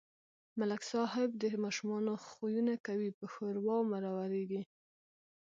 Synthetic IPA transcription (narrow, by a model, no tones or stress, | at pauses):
malaksɑɦɪb̚d̪əmɑʃumɑnoxujunakawipəxəɾwɑwmaɾɑwaɾeɡi